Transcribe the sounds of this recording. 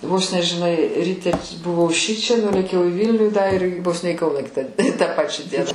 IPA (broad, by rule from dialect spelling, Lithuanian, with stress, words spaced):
ˈʋoːs nʲɛ ʒʲɪˈnɐɪ ˈrʲiːtʲɛ bʊˈʋɐʊ ˈʃʲɪt͡ʃʲɛ ˈnʊlʲeːkʲɛʊ ɪ ˈʋʲiːlʲnʲuː dɐ ɪr ʋoːs nʲɛ iː ˈkɐʊnɑː ˈkʲɪtɑː tɑː ˈpɑːt͡ʃʲæː ˈdʲiɛnɑː